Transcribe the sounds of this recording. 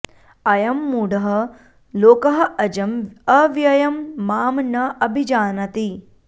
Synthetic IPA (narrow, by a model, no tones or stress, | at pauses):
ɐjɐmːuːɽɐɦɐ̆ | loːkɐɦɐɐd͡ʒɐmɐʋjɐjɐmːaːmnɐʔɐbʱid͡ʒaːnɐt̪i